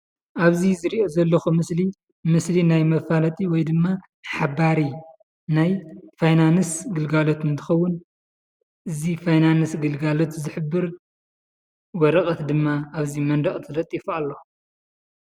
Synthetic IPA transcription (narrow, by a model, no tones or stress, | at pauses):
ʔaβzizɨɾiʔo̞zɐlːɐxumɨsli | mɨslinajmɐfalɐt̪ʼiwɔjd̪ɨmːa | ħabaɾi | najfajnanɨsɡɨlɡalot̪ɨnt̪ʰɨ̥xɐwːʊn | ʔɨzifajnanɨsɡɨlɡalot̪zɨħɨbːɨɾ | wɔɾɐkʼɐt̪d̪ɨmːaːβzimɐnd̪ɐχʼt̪ʰɨlɐt̪ʼːifalːo̞